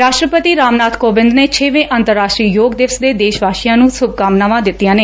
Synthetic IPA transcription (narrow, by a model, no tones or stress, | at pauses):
ɾaːʃʈɾəpət̪iːɾaːmnaːt̪koːbɪ̃nd̪neːt͡ʃʰeːʋẽːʔənt̪əɾːaːʃʈɾiːjoːɡd̪ɪʋsd̪eːd̪eːʃʋaːʃɪjãːnũːsʊb̚kaːmnaʋãːd̪ɪt̪ːijãːneː